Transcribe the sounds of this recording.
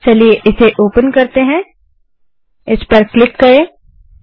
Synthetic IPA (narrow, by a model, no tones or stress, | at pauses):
t͡ʃɐlieʔɪseʔoːpənkɐɾt̪eɦɛ̃ | ɪspɐɾklɪkːɐɾẽː